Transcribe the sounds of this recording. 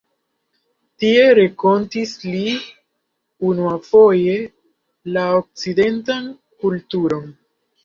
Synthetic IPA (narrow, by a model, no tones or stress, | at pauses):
tie̞ɾeko̞ntisli | unuafo̞je̞ | laok̚t͡side̞ntan | kultuɾo̞n